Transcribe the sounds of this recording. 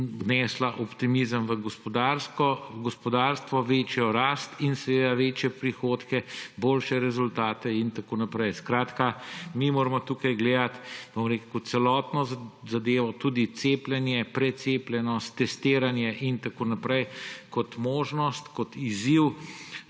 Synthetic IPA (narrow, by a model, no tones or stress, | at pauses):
nɛslaʔɔpt̪imizəmʋəɡɔspɔd̪aɾskɔɡɔspɔd̪aɾst̪ʋɔʋet͡ʃjɔɾaːst̪insɛʋeːd̪aʋeːt͡ʃjɛpɾixot̪kɛboːlʃɛɾɛzult̪aːt̪ɛint̪akoːnapɾɛjskɾaːt̪kamimoːɾmɔt̪ukajɡleːd̪at̪b̥omɾeːkukutt̪sɛlɔt̪nɔzad̪eːʋɔt̪ud̪it̪seːplʲɛnjɛpɾɛt̪seːplʲjɛnɔst̪ːɛst̪eːɾanjɛʔint̪akoːnapɾɛjkɔt̪moːʒnɔst̪kɔt̪iziw